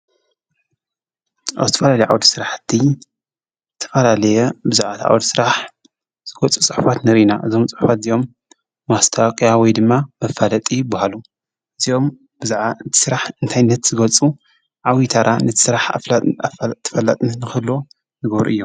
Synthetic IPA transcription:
ʔa̰vzɨt̪ʰɐfɐlalɐjʕa̰wd̪sɨɾaħt̪ʰːi | zzɨt̪ʰɐ̥fɐlalɐjɛbɨzaʕat̪ʰʕa̰wd̪sɨɾaħ | z̥ɨɡɐt͡sʼut͡sʼɨħufat̪nɨɾinaʔɨzo̞mt͡sʼɨħufat̪zijo̞mː | ast̪ʰawkʼijawɔjd̪ɨmːamɐfalɐt̪ʼibahalu | ʔɨzio̞m | bɨzʕɨt̪ʰi̥sɨɾaħɨnt̪ʰajnːɐt̪z̥ɨɡɐt͡sʼu | ʕawit̪ʰaɾʔanɐt̪ʰi̥sɾaħ | t̪ʰːɐ̥fɐlːat̪ʼɨnnːɨxɨlːo | nɨɡɐβɾṵʔɨjːom

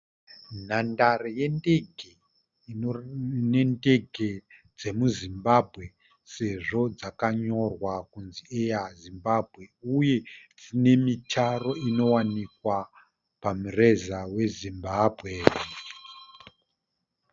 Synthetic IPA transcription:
n̤andaroje̞nde̞ɡʱe | ne̞nde̞ɡʱe̞d͡ze̞muzimbabʱɣe̞ | se̞ʐo̞d͡zakaɲo̞rwakunziejazimbabʱɣe̞uje̞d͡zine̞mitaro̞ino̞wanikwa | pamure̞zawe̞zimbabʱɣe̞

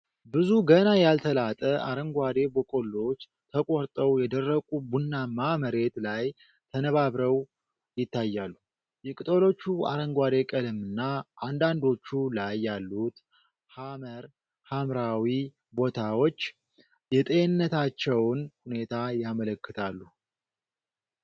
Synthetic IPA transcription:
bɨzuɡənajalt̪ʰəlat̪ʼəʔaɾəŋɡʷad̪e̞bəkʼo̞lːo̞t͡ʃː | t̪ʰəkʼoɾt̪ʼəwjɛd̪ərːəkʼubunːamaməɾe̞t̪laj | t̪ʰənəβaβɾəw | jɪt̪ːajːalːu | jɛkʼɨt̪ʼolo̞t͡ʃːua̰ɾəŋɡʷad̪e̞kʼəlɨmɨnːaʔand̪and̪o̞t͡ʃːulajːalːut̪ | haməɾ | hamɾawi | bo̞t̪ʰawo̞t͡ʃː | jɛt̪ʼe̞nːət̪ʰat͡ʃːɛwnhune̞t̪ʰajamələkːɨt̪ʰalːu

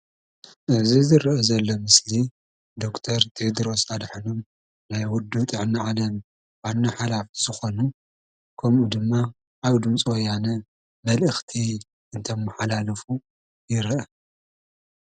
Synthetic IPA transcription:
ʔɨzizɨɾʔɐzɐlːomɨsli | d̪o̞kt̪ʰɐɾt̪ʰed̪ɾo̞sad̪ħɨnum | najwʊd̪ːut̪ʼɨʕniʕalɐm | wanːaħalafiz̥ɨxo̞nu | kʰɐmʔud̪ɨmːa | ʔːβd̪ɨmt͡sʼwojanɐ | mɐlʔɨxt̪ʰi | ɨnt̪ʰɐmːɨħalalɐfu | jɪɾʔɐ

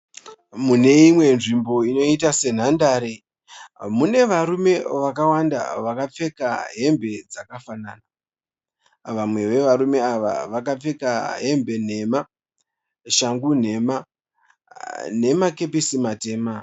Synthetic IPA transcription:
mune̞imwe̞nʐimbo̞ino̞itase̞n̤andaːɾe | mune̞ʋaɾume̞ʋakawanda̰ʋakap͡fe̞kaɦe̞mbe̞d͡zakafanaːna | ʋamwe̞ʋe̞ʋaɾume̞aʋa̰ʋakap͡fe̞kaɦe̞mbe̞n̤e̞ma | ʃaŋɡun̤e̞ma | ne̞make̞pisimate̞ːma

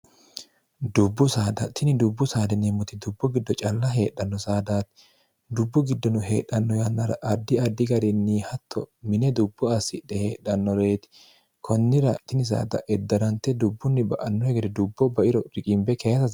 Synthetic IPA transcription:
d̪ʊbːʊsaːd̪ɐt̪ɪnɪd̪ʊbːʊsaːd̪ɛnɛmːʊt̪ɪd̪ʊbːʊɡɪd̪ːɔt͡ʃʼɐlːɐɦe̞ːᶑːɐnːɔsaːd̪aːt̪ | d̪ʊbːʊɡɪd̪ːɔnʊɦeːᶑːɐnːɔjɐnːɐɾɐ̰ʔɐd̪ːɪɐd̪ːɪɡɐɾɪnːiːhɐt̪ʰːɔ̰mɪnɛd̪ʊbːʊɐsɪᶑɛheːɗːɐnːɔɾeːt̪ɪ̥ | kʰɔnːɪɾɐt̪ɪnɪs̬a̰ːd̪ɐ̰ʔɛd̪ːɐɾɐnt̪ːɛd̪ʊbːʊnːɪbɐʔɐnːɔhɛɡɛd̪ɛd̪ʊbːɔbɐʔɪɾɔɾɪkʼɪmbɛkʰɛjɐsɐz

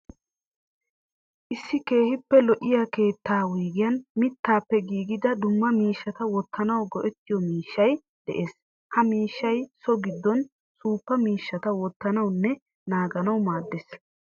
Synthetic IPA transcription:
ʔɪsːɪke̞ːhɪpːɛlɔʔɪjaːke̞ːt̪ːaːwiːɡɪjɐnmɪt̪ːaːpːɛɡiːɡɪd̪ɐd̪ʊmːɐmiːʃːɐt̪ɐwɔt̪ːɐnɐwɡɔʔɛt̪ːɪjɔmiːʃːɐj | d̪̥ɛ̰ʔe̞ːs | hɐmiːʃːɐjsɔɡɪd̪ːɔn | suːpːɐmiːʃːɐt̪ɐwɔt̪ːɐnɐwnːɛ | naːɡɐnɐwmaːd̪ːes

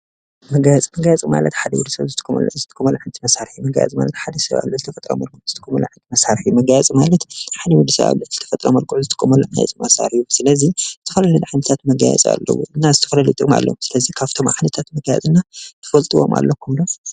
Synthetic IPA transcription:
mɐɡajɛt͡sʼmɐɡajt͡sʼimalɐt̪ħad̪ɐwud̪usɐβzɨt̪ʰɨ̥kʼːmɐ̰lzɨt̪ʰɨ̥kʼːumɐlʕɨnt̪ʰɨmɐsaɾħijumɐɡa̰jɛ̰t͡sʼma̰lɐt̪ħad̪ɐsɐβa̰βlːuzɨt̪ʰɐfɐt̪ʼɾo̰mɐlkʼuʔz̥ɨt̪ʰɨ̥kʼːɐmɐlṵʕɨnt̪ʰɨmɐsaɾħiumɐɡajat͡sʼimalɐt̪ħad̪ɐwud̪ːisɐ̰βa̰βluz̥ɨt̪ʰɐ̥fɐt̪ʼɾɐmɐlkʼuʕzɨt̪ʰɨkʼːumɐluʕajɛ̰t͡sʼmɐsa̰ɾusɨlɐzizɨt̪ʰɐfɐlɐlɐd̪ʕanɐt̪ʰat̪mɐɡa̰jɛ̰t͡sʼa̰lːɐ̰wṵʔɨnːazɨt̪ʰɐfɐlɐlɨt̪ʼuma̰lːo̰sɨlɐzikʰaβt̪ʰo̞mʕanɐt̪ʰat̪mɐɡajɛ̰t͡sʼɨnːat̪ʰɐ̥fɐlt̪ʼɨwo̞̰mʔa̰lːɐkʰːumlo

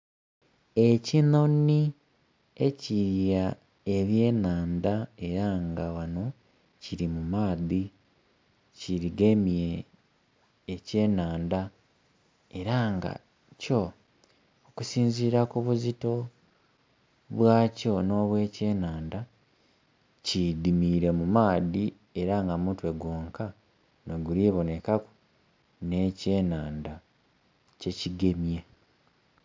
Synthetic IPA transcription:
e̞cinoni | e̞ciɾja | e̞βje̞ːnaːndae̞ɾaŋɡawano̞ | ciɾimumaːði | ciɾiɡe̞mie | ce̞ːnaːnda | e̞ɾaŋɡa̰ | co̞ | okusiːnziːɾakuβuzito̞ | βwaːco̞no̞ːβwe̞ːce̞ːnaːnda | cidimiɾe̞mumaːdi | e̞ɾaŋɡamutwe̞ɡwoːŋka | noɡuliβo̞ne̞kaku̥ | ne̞ːce̞ːnaːnda | ce̞ciɡe̞mje

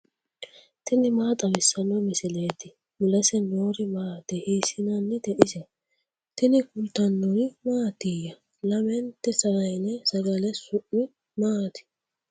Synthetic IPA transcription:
t̪ɪnɪmaːt̪ʼɐwɪsːɐnːɔmɪsɪle̞ːt̪ːɪ | mʊlɐsɛnoːɾɪmaːd̪̥ɛhiːsɪnɐnːɪd̪ɛʔɪsɛ | t̪ɪnɪkʊlt̪ɐnːɔjmaːt̪ijɐ | lɐmɛnt̪ːɛsɐɾɐjnɛsɐɡɐlɛsʊʔːɪ | maːt̪ɪ̥

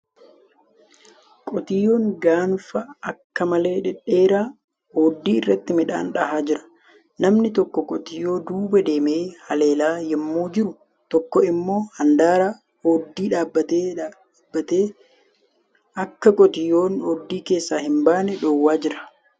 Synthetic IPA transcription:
kʼɔt̪ɪjːo̞ːŋɡaːnfɐɐkːɐmɐle̞ːᶑɛᶑeːɾaː | hoːd̪ːiːɪrːɐt̪ːɪmɪᶑa̰ːnᶑɐɦaːd͡ʒɪɾɐ̥ | nɐmnɪt̪ɔkːɔkʼɔt̪ɪjːo̞ːd̪uːbɐd̪e̞ːmeːhɐle̞ːlaːjɛmːoːd͡ʒɪɾʊ | t̪ɔkːɔɪmːo̞ːhɐnd̪aːɾaː | hoːd̪ːiːᶑaːbːɐt̪e | bːɐt̪eː | ɐkːɐkʼɔt̪ɪjːoːnoːd̪ːiːke̞ːsːaːhɪmbaːnɛᶑoːwːaːd͡ʒɪɾɐ̥

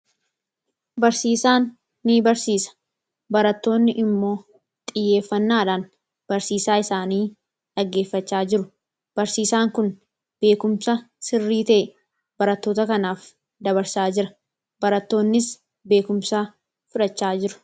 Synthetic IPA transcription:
bɐɾsiːsaːnː | iːbɐɾsiːsɐ̥ | bɐɾɐt̪ːo̞ːnːɪʔɪmːo̞ː | t̪ʼɪjːe̞ːfːɐnːaːᶑan | b̥ɐɾsiːsaːɪsaːniː | ᶑɐɡːeːfːɐt͡ʃːaːd͡ʒɪɾʊ | b̥ɐɾsiːsaːŋkʊn | b̥e̞ːkʊmsɐsɪrːiːt̪ɐe | bɐɾɐt̪ːo̞ːt̪ɐkɐnaːf | d̪ɐβɐɾsaːd͡ʒɪɾɐ | bɐɾɐt̪ːo̞ːnːɪs | be̞ːkʊmsaː | fʊᶑɐt͡ʃːaːd͡ʒɪɾʊ̥

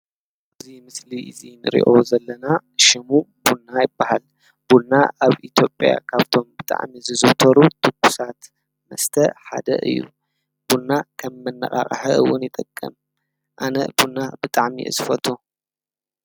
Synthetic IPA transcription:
ʔʔɨzimɨsliɨzinɨ̰ɾḭʔozɐlːɐnaʃɪmubunːajɪbːahal | b̥uːaʔaβʔit̪ʰjo̞pʼja̰kʰaβt̪ʰo̞mbɨt̪ʼa̰ʕmizɨzɨwt̪ʰɐɾut̪ʰɨkːusat̪ | mɐst̪ʰɐħa̰d̪ɐ̰ʔɨ̰jːṵ | b̥unːakʰɐmːɐnːɐ̰χʼa̰χʼɐ̰ħɐʔɨwːʊnjɪt̪ʼɐkʼːɐm | ʔanɐ̰bunːabɨt̪ʼaʕmḭʔɨ̰sɨfɐt̪ʰu

